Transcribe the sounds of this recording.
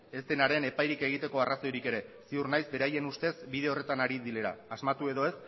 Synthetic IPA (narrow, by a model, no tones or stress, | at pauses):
e̞st̪enaɾe̞ne̞pajɾike̞ɣ̞it̪e̞ko̞araso̞jɾike̞ɾe̞siurnajzbe̞ɾaje̞nust̪e̞zbiðe̞o̞re̞t̪anaɾiðile̞ɾa̰ːzmat̪ue̞ðo̞e̞s